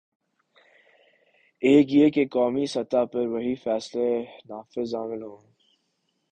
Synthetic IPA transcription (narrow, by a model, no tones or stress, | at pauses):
eːkjeːkekɔːmisɐt̪apɐɾʋɐɦifɛːslenaːfɪzaːmɪlɦõː